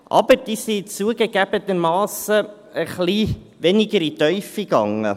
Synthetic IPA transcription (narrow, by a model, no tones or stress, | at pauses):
ʔɑ̰bəɾd̥iːsit͡suəɡəɡ̥æbət̪əmɑːsə | əχli | ʋɛnɪɡəɾit̪œʏfiɡ̥ɑŋə̰